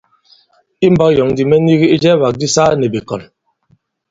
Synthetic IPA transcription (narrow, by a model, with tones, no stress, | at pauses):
i˦m̩˦ba˦kjɔ˨ŋ˦di˨mɛ˦ni˦ɣi˦i˦d͡ʒɛ˦ba˨k̚di˦sa˦ne˨be˨kɔ̰˨n